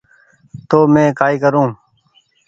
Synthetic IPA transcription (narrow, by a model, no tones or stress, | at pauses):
t̪oːmẽːkaːiːkəɾõː